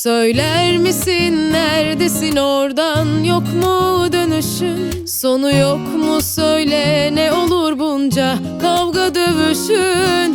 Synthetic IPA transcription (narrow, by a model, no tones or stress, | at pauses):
sø̞jlʲæɾmisinːæɾd̪esinoɾd̪anjokmud̪ø̞nyʃyn | so̞nujokmusø̞jlʲɛnɛo̞lˠuɾbund͡ʒa | kʰavɡad̪øvyʃyn